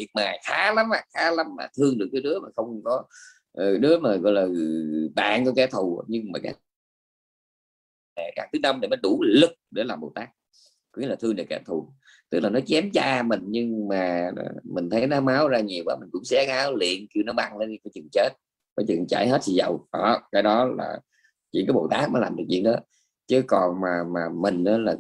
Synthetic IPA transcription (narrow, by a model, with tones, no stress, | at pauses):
i˨˩ək̚maː˨˩jxaː˨˦la˨˦maː˧˩xaː˨˦la˨˦mla̰ː˨˩t̪ʰɨ˧əŋɗɨ˨˩ək̚ːɗɨ˨˦əmaː˨˩xə˧wŋ͡mkɔ˨˦ | ʔə˨˩ɗɨ˨˦əmaː˨˩ɣɔ̰˧˨jlaː˨˩˨ɓa̰ː˧˨nkɔ˧ka˨˧˦t̪ʰu˨˩ɲɨ˧ŋmaː˨˩ka̰ː˦˥ | ɛ˨˩kaː˧˩k̚t̪ʰɨ˨˦na˧mɗi˨˩mə˨˦jɗu˧˩lɨ˨˩k̚ɗe˧˩˦laː˨˩mɓo̰˨˩wt̪aː˦˥k̚ | kŋ͡mmi˧˦laː˨˩ɨ˧əŋɗɨ˨˩ka˧˦t̪ʰu˨˩ | t̪ɨ˦˥k̚laː˨˩nɔ˨˦t͡ɕɛ˨˦mt͡ɕaː˧mï˨˩ŋ̟ɲɨ˧ŋma̰ː˨˩˨mï˨˩ŋ̟t̪ʰə˨˦jnɔ˨˦maː˨˦wzaː˧ɲi˨˩əwʔaː˨˦mï˨˩ŋ̟kʊ̰˧˥ŋ͡msɛ˧˦ŋaː˨˦wlḭ˧˨ənkɨ˧nɔ˨˦ɓa˧ŋe˧˦n˧˦kɔ˨˦t͡ɕɨ˨˩ŋt͡ɕe˦˥t̚ | kɔ˨˦t͡ɕɨ̰˨ənt͡ɕa̰˧˩jɦe˦˥t̚t̪ʰi˨˩zə˨˩wʔɔ˨˩kaː˨˦jɗɔ˨˦la̰ː˨˩ | t͡ɕḭ˧˨ŋkaː˨˦ɓo̰˨˩t̪aː˦˥k̚nɔ˨˦laː˨˩t̪ʰːt͡ɕwḭ˧˨ənɗɔ˨˦ | t͡ɕɨ˨˦kɔ˨˩nmaː˨˩maː˨˩mï˨˩ŋ̟ʔaː˨˦laː˨˩